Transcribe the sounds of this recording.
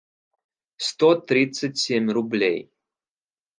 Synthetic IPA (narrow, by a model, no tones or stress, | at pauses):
st̪ot̪ɾʲit̪sɨtʲsʲemʲrʊblʲḛj